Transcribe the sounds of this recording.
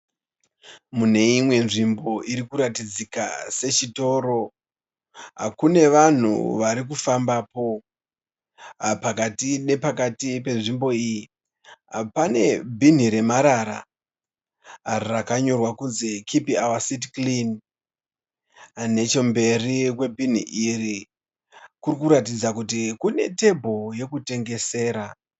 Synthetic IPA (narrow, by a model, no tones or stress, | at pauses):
mune̞imwe̞nʐimbo̞ʔiɾikuɾatid͡zika̰se̞t͡ʃito̞ɾo̞ | ɦa̰kune̞ʋan̤ṵʋaɾik̬ufambapo̞ | pakatine̞pakatipe̞nʐimbo̞iji | ɦapane̞bʱin̤iɾe̞maɾaɾa̰ | rakaɲo̞rwakunzekʰipiawasitklin | ne̞t͡ʃe̞mbe̞rikwe̞bʱin̤ḭʔiri | kurikuɾatid͡zakutikune̞̰te̞bʱo̞je̞kute̞ŋɡe̞se̞ːɾa